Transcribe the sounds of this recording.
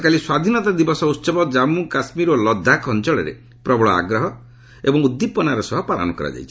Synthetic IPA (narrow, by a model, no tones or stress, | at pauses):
kaliswad̪ʱinɔt̪ad̪ibɔsɔut̪ːsɔbɔd͡ʒamukasmiɾolɔd̪ʱːakʰɔnt͡ʃɔɭeɾḛ | pɾɔbɔɭɔa̰ɡɾɔɦɔ | ebɔŋud̪ːipɔnaɾɔsɔɦɔpala̰nɔkɔɾa̰d͡ʒa̰jt͡ʃʰi̥